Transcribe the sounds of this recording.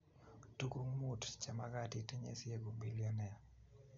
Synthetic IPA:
tu˦ku˦ŋmu˦tt͡ʃa˨ma˦ɡa˦˨ti˦te˦ɲḛ˦sje˦ɡo˨mbi˦lɪjɔ˦nɛ˦˨a˨

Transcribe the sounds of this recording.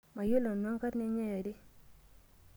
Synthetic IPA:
ma˨jo˦lo˨nwa˦ŋka˦tnɪ˦ɲa˦ja˨dɪ˦

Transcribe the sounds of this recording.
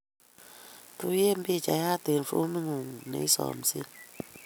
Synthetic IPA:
tu˨˦je˦m̩˦bi˦˨t͡ʃa˨ja˦˨te˨n˨fo̰˦mi˦ŋu˨ŋnḛ˨i˦sɔ̰˨m̩˨si˦

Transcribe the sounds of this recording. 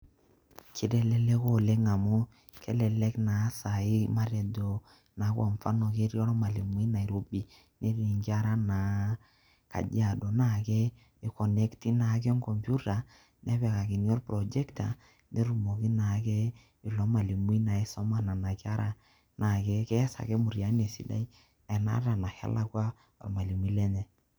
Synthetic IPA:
ki˨dɛ˦lɛ˦lɛ˦ko˦˨lɛ˦ŋa˨mʊ˦ | kɛ˦lɛ˨lɛ˦kna˨˦sa˨ɪ˦ma˦ɾɛ˨do˨ | na˨˦kwa˨ɱfa̰˦nɔ˨ke˦ɾjɔ˦ɾɔ˦ma˨li˨mwi˦na˨i˨ɾo˨bi˨ | ne˦ri˨ŋɡa˦ɾa˦na˨˦ | ka̰˨d͡ʒa˨do˨na˦˨kɛ˦ | i˨kɔ˨nɛ˦kti˦na˨˦k̬ɛ˦ŋkɔ˨mpju˦ta˨ | nɛ˦pɛ˨ka˨ki˨n˦ɔ˦rpɾɔ˨d͡ʒɛ˦kta˨ | ne˦ɾu˨mo˨ki˦na˨kɛ˦ | i˨lɔ˦ma˨li˨m˦i˦na˨e˦sɔ˦ma˦na˨na˨ka˦ɾʔa˦ | na˨kɛ˦kɛ˦sa̰˨kɛ˦mu˨ɾja˨˦ne˨si˨da̰˦i˦ | ɛ˨na̰˦ɾa˨na˨ha̰˦la˦kwa˦ | ɔ̰˨ɾma˨li˨m˨i˦lɛ˦nɛ˨

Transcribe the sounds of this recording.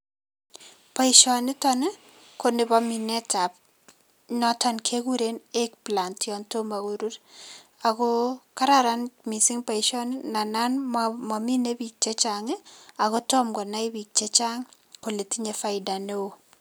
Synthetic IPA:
pa˨i˨ʃɔ˨nɪ˦tɔ˦nɪ˦ | ko˨nɪ˨ba˦mi˨ne˦ta˨p̚ | nɔ˦ta˦nkʰe˦ɡu˦ɾe˦ne˦k̚pla˨ntjɔ˨nto˦ma˨ɡo˨ɾu˦ɾ | a˨ɡo˦ka˦ɾaɾa˦nmi˨sɪ˦ŋpa˨i˨ʃɔ˦nna˨na˦nmɔ˨mi˦ne˦bi˨k̚t͡ʃe˦t͡ʃa˨ŋe˦a˨ɣo˦tɔ˦mkɔ˨na˦ɪ˦bi˨k̚t͡ʃe˦t͡ʃa˦ŋ | ko˨le˨ti˦ɲe˨fa˦ɪda˨ne˦o˦

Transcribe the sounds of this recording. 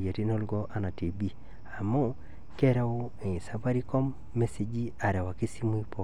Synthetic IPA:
je˨ti˦nɔ˦lɡɔ˦ʔa˦na˨ti˨bi˦ | a˨mɔ˦ | kɛ˦ɾɛ˦o˦ | e˨i˨sa˦pa˦ɾi˦kɔ˦mː | e˦se˦d͡ʒi˦a˨ɾɛ˨wa˨ki˦si˦mu˦i˦pɔ˨

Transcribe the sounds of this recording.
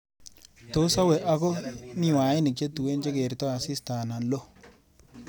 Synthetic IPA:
to˦sa˦wɛ˨ʔa˨ɡo˦ni˦˨wa˨ɪ˦nɪ˨k̚t͡ʃe˦tu˨we˦nt͡ʃe˦ɡe˨ɾtɔ˦a˨si˦sta˨na˨lo˦

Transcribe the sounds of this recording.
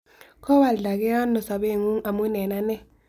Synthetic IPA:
kʰɔ˦βa˨lɮa˨k̬ɛ˦a˦nɔ˨sa˨ɓe˦˨ŋu˦ŋʔa˨mu˦nɛ˨na˦nɛ˦

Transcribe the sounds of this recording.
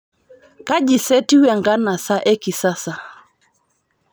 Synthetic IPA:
ka˦d͡ʒi˨sɛ˦ti˦wɛ˨ŋɡa˦na˨sa˦ʔɛ˦ki˨sa˦sa˨

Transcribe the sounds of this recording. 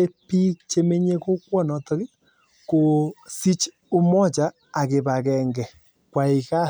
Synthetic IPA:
e˦pi˦t͡ʃe˦me˦ɲe˦ko˦kwɔ˦nɔ˨tɔ˦ke˦ | ko˨si˦t͡ʃ | o˦mɔ˦t͡ʃaː˦˨ | ɣe˨βa˨ɣɛ˨ŋɡɛ˨ | kwa˨i˨ɣa˦

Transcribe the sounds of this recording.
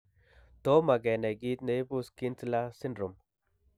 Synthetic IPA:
t̪o˦ma˨ɡɛ˨ne˨ɡi˦t̪ne˨jbu˦ski˦nt͡sla˦si˦ndɾo˨m

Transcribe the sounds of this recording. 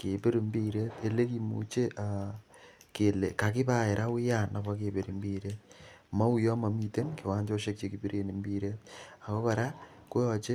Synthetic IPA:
ke˨pe˦ɾi˨mbi˦ɾe˦t̪e˨le˦ki˨mṵ˨t͡ʃe˦ʔa˨ | ke˨le˨ka˨kɪ˦pa˦e˨ɾʔa˦wɪ˦ja˦na˨βa˦ke˨be˨ɾi˨mbiː˦ɾe˦t̚ | ma˦u˦jɔ˦ma˨mi˨te˦nke˨waː˦ɲd͡ʒo˦ʃe˦k̚t͡ʃeki˨bi˦ɾe˦ni˨mbi˦ɾe˦t̪̚a˨ko˦pa˨ɾa˦ko˦jɔ˨t͡ʃe˦

